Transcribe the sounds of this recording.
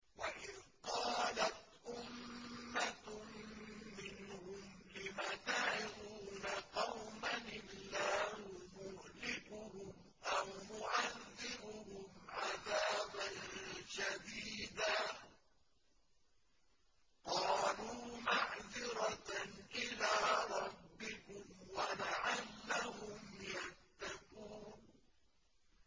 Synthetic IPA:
waʔɪðqɑːlat̪ | ʔʊmːa | mɪnhʊmlɪmat̪aʕɪðuːnaqɑwmanɪlːaːhʊmʊʔlɪfʊhʊm | ʔawmʊʕaðːɪɾʊhʊmʕaðaːbanʃad̪iːd̪aː | qɑːluːmaʕðɪɾɑʔɪlaːɾˤɑbːɪkʊmwalaʕalːahʊmjat̪ːaquːn

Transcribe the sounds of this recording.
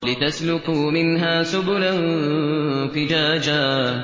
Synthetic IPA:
lɪt̪aslʊkumɪnɦaːsʊbʊlan | fɪd͡ʒaːd͡ʒa

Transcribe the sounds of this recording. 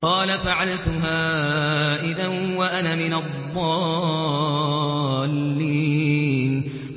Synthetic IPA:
qɑːlafaʕalt̪ʊɦaːʔɪd̪anwaʔanaːmɪnaðˤːɑː | lːiːn

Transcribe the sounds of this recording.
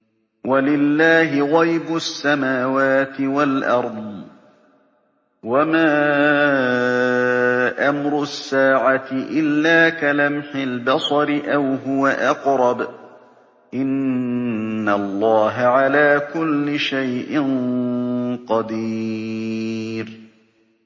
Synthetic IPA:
walɪlːaːɦɪɣɑjbʊsːamaːwaːt̪ɪwalʔɑɾˤd̪ˤ | wamaː | ʔamɾʊsːaːʕat̪ɪʔɪlːaːkalamħɪlbɑsˤɑɾɪʔawɦʊwaʔɑqɾˤɑb | ʔɪnː | alˤːɑːɦaʕalaːkʊlːɪʃajʔɪn | qɑd̪iː | ɾ

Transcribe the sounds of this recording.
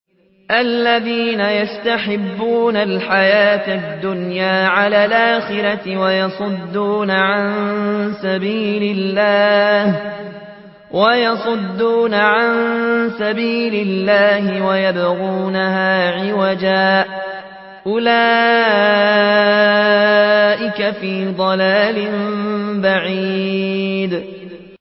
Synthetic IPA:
ʔalːaðiːnajast̪aħɪbːuːnalħajaːt̪ad̪ːʊnjaːʕalaːlʔaːxɪɾɑt̪ɪwajɑsˤʊd̪ːuːnaʕansabiːlɪlːaːh | wajɑsˤʊd̪ːuːnaʕansabiːlɪlːaːɦɪwajabɣuːnahaːʕɪwad͡ʒaːʔ | ʔʊlaː | ʔɪkafiːd̪ˤɑlaːlɪmbaʕi | d̪

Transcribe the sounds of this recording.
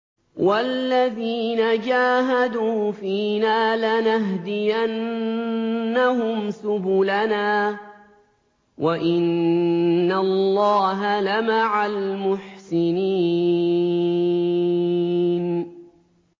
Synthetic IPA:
walːaðiːnad͡ʒaːɦad̪uːfiːnaːlanaɦd̪ɪjanː | ahʊmsʊbʊlanaː | wʔaʔɪnː | allːɑːɦalamaʕalmʊħsɪniː | n

